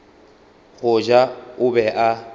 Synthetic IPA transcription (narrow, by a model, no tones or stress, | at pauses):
ɣʊd͡ʒaʊbɛʔa